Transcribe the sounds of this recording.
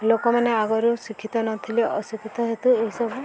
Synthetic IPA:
lokɔmaneaɡɔɾusikʰːit̪ɔnɔt̪ʰileʔɔsikit̪ɔɦet̪ueɦisɔbu

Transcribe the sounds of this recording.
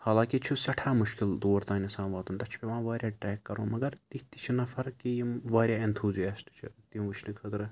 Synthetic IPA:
haːlãːkit͡ʃʰusɐʈʰaːmʊʃkild̪oːɾt̪aːnisãːnʋaːt̪unt̪ɐt͡ʃʰpeʋãːʋaːɾʲjaːʈɾɛːkːɐɾõ̰ːmɐɡɐɾt̪it̪it͡ʃʰinɐfʰɐɾkiiʋaːɾʲjaːent̪ʰuːzijaːsʈt͡ʃʰḭt̪iũʋɨt͡ʃʰnikʰət̪ɾɨ

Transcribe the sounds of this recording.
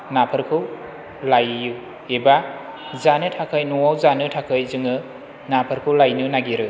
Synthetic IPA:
napʰɯɾkʰɯw | lajːu | eba | zanɯtʰakʰɯjnuwawzanɯtʰakʰɯjzɯŋɯ | napʰɯɾkʰɯwlajnɯnaɡiɾɯ

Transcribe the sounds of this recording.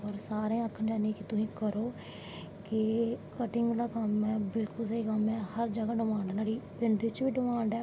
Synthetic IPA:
ɔːɾsaːɾẽːəkʰːənd͡ʒaːneːkɪt̪ʊsĩːkəɾoː | kɪkəʈɪŋɡd̪aːkəmɛːbɪlkʊlseiːkəmɛːhəɾd͡ʒəɡaːɖɪmãːɳɖnaːɽiːpɪɳɖɾɪt͡ʃʋiːɖɪmaːɳɖɛː

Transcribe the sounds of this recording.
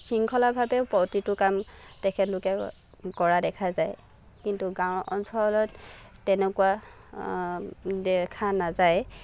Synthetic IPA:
siŋkʰɔlabʱabɛpɔtitʊkamtɛkʰɛtlʊkɛ | kɔɹadɛkʰazaj | kintuɡãw̃ʔɔnsɔɹɔlɔttɛnɛkuwa | dɛkʰanazaj

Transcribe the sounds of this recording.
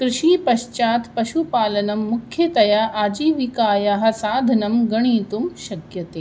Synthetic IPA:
kɾɪʃiːpɐɕt͡ɕaːt̪pɐʃupaːlɐnɐmːukʰjet̪ɐjaʔaːd͡ʑiːʋikaːjaɦɐsaːd̪ʱɐnɐmɡɐɽ̃iːt̪umʃɐkjɐt̪eː

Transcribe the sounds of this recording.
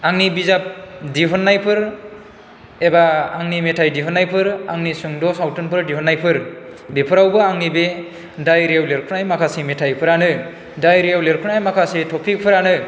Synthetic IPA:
aŋnibizap̚diɦɔnːajpʰɯɾ | ɛbaːŋnimetʰajdiɦɔnːajpʰɯɾa̰ŋnisɯŋdɔsawtʰɯnpɯɾdiɦɔnːajpʰɯɾbepʰɔɾawbɯaŋnibe | dajɾewleɾkʰɯnajmakʰasimɛtʰajpʰɯɾanɯ | dajɾiawleɾkʰɯnajmakʰasitʰɔpʰik̚pʰɯɾanɯ

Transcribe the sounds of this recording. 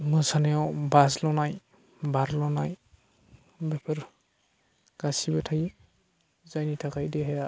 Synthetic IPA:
mɯsanejawbaslɔnaj | baɾlɔnaj | bepʰɯɾ | ɡ̥asibatʰaji | zajnitʰakʰajdeɦaja

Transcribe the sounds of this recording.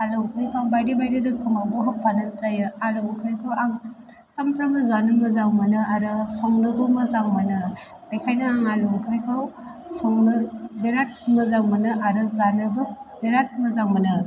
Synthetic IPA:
alɔŋkʰɯɾikʰaŋbajdibajdidɯkʰɯmabɔɦɯpʰanɯtajɯalɔŋkʰɯɾikʰawaŋ | sampɾamɯzanɯmɯzaŋmɯnɯaɾɯsɔŋnɯbɯmɯzaŋmanɯ | bekʰajnɯaŋalɔŋkʰɯɾikʰaw | sɔŋnɯbeɾat̚mɯzaŋmɯnɯʔaɾɯzanɯbɯbeɾat̚mɯzaŋmanɯ

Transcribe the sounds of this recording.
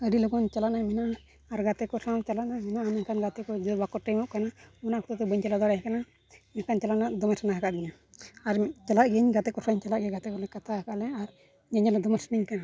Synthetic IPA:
əɖilɔkɔnt͡ʃalaʔnajmɛnaː | ɾɡat̪ɛkɔsãwt͡ʃalaʔnamɛnaːmɛkanɡat̪ɛkɔd͡ʒɔbakɔʈijmɔʔ̚kanaɔnaʔkɔ̥t̪ɔt̪ɛbəɲt͡ʃalad̪ɔɾaɦkana | mɛkant͡ʃalanaʔd̪ɔmɛsanaɦakaʔd̪ɛɲa | aɾt͡ʃalaʔɡɛɲɡat̪ɛʔkɔsaɲt͡ʃalaʔɡɛɡat̪ɛkɔlɛkat̪ʰaɦakaʔlɛaɾ | ɲaɲalɛd̪ɔmɛsniɲkana

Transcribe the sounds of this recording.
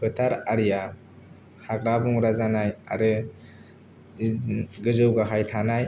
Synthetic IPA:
bɯtʰaɾaɾija | haɡɾabuŋɾazanaja̰ɾɯ | ɡɯzɯwɡaɦajtʰanaj

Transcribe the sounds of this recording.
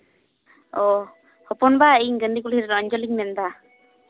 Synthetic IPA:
ɔ | hɔpɔnbaiɲɡənɖikulhiɾɾɔɲd͡ʒɔliŋmɛnd̪a

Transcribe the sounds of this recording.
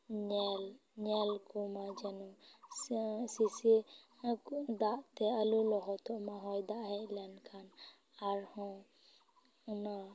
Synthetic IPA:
ɲɛl | ɲɛlkumad͡ʒɛnu | sisi | d̪aʔt̪ɛəlulɔɦɔt̪ʰɔʔmaɦɔjd̪aʔɦɛʔlɛnkʰan | aɾhɔ̃ | na

